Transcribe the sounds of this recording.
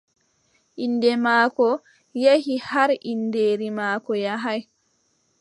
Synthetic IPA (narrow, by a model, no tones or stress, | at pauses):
ʔinːdɛmaːkɔ | jahihaɾʔindeːɾimaːkɔjaɦaj